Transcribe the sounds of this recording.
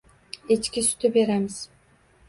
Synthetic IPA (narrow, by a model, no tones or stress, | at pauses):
et͡ʃkʲisy̥t̪ʰybeɾæmɪz̥